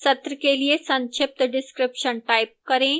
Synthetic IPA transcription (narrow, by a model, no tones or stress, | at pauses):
sɐt̪ɾəkeliesɐ̃nt͡ʃʰɪp̚t̪ɖɪskɾɪpʃənʈajp̚kɐɾẽ